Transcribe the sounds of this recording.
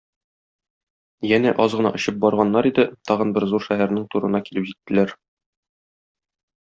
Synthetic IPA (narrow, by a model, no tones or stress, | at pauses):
jænæʔɒzʁɤ̆nɑ̰ʔŏɕɤp̚bɒɾʁɑnːɑɾid̪ɘt̪ʰɒʁɤnbɘɾzuɾʃæɦæɾnɘŋt̪uɾɤ̆nɑkilɘpʑit̪ːɘ̆læɾ